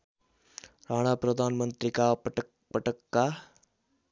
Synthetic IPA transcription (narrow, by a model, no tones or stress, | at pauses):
ɾaːɽ̃apɾəd̪ʱaːnmənt̪ɾikaʈ | pəʈəkːa